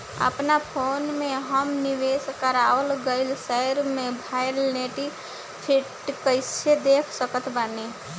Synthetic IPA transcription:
ə̰pnapʰoːnmeɦəmniʋeskəɾaəlɡəɪlsəjɾmẽbʱajɾneʈi | pʰiʈ | kəɪsed̪ekʰsəkət̪ʰbəne

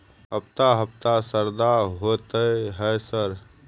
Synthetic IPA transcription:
əpt̪aɦəpt̪asəɾd̪aɦot̪əɦɛːsəɾ

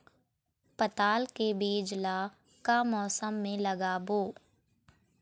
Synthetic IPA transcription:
pət̪aːlkebeːd͡ʒla | kamɔːsəmːẽləɡaboː

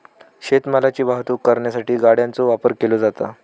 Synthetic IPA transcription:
ɕet̪məlat͡ɕiːbaɦt̪uːkːəɾɳjasaʈiːɡaɽjant͡soʋapəɾkelod͡zat̪a

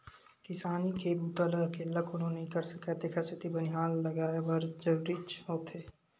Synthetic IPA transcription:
kɪsaːnikʰebut̪ələkeləkʰʊnõneɦĩkɐɾsəkat̪ekʰasɪt̪ibənɪɦaːlːɐɡaːebɐɾd͡ʒəʋɾɪt͡ʃɦoːt̪ʰeː

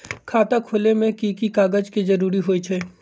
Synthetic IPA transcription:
kʰaːt̪akʰʊlemẽkiːkikaːɡəd͡ʒkizɐɾuːɾiɦoːit͡ʃʰɛː

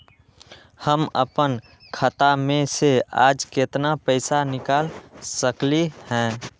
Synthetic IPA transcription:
həməpən | kʰət̪amẽsea̰ːd͡ʒket̪napəɪsanɪkaːlsəklihɛ̃ː

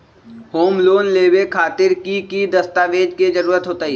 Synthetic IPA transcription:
hoːmloːnleːwekʰaːt̪ɪɾkikid̪ɐst̪aːʋeːd͡ʒked͡ʒɐɾuːɾət̪ɦoːt̪aːɦi

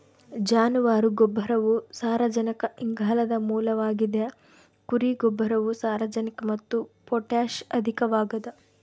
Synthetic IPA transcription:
d͡ʒaːnuʋaːɾuɡɔbʱːɐɾɐʋusaːɾɐd͡ʒɐnɐkɐiŋɡʱaːlɐd̪ɐmuːlɐʋaːɡid̪e | kuɾiɡɔbʱːɐɾɐʋusaːɾɐd͡ʒɐnikɐmɐt̪ːupɔʈaːʃɐd̪ʱikɐʋaːɡɐd̪ɐ

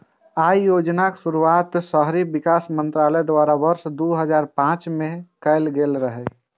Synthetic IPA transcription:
ajjod͡ʒnaksuɾuat̪səɦɾibikasmənt̪ɾaləd̪waɾabəɾsd̪uɦəd͡ʒaɾpãt͡ʃmekəlɡelɾəɦɛ

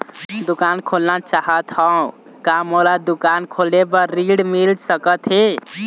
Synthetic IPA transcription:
d̪ukankʰolnat͡ʃaɦət̪ɦãũ | kamolad̪ukankʰolebəɾiɽmild͡ʒsəkət̪ʰɦe

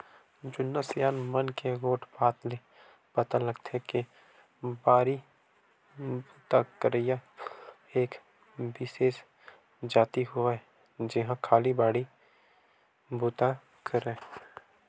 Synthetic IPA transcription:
d͡ʒʊnːəsɪjaːnmənkeɡoːʈʰbaːt̪le | pɐt̪aləɡt̪ʰeke | baːɾi | buːt̪akəɾəja | eːk | bɪseːs | d͡ʒaːt̪iɦʊa | d͡ʒɪɦãkʰaːlibaːɽi | buːt̪a | kʰəɾẽː

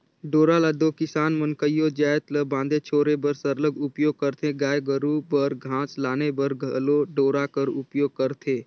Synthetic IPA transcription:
ɖoːɾalad̪oːkɪsaːnmənkəjod͡ʒaːjt̪ləbãːnd̪et͡ʃʰoːɾebəɾsəɾləɡʊpjoːɡ̚kəɾt̪ʰeɡaːjɡəɾubəɾɡʱãːt͡ʃlaːnebəɾɡʱəloɖoːɾakəɾʊpjoːɡ̚kəɾt̪ʰeː

